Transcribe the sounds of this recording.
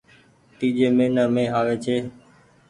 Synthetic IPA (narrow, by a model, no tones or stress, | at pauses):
t̪iːd͡ʒeːmẽːnəːmẽːɦaːʋeːt͡ʃʰeː